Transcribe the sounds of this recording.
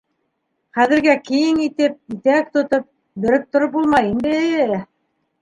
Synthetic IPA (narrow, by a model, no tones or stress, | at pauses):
χæðɘ̆ɾɡækĭjɘŋit̪ɘp̚it̪æk̚t̪ŏt̪op̚ | bɵ̆ɾɘp̚t̪ŏɾop̚bulˠmɑjind̪ɘ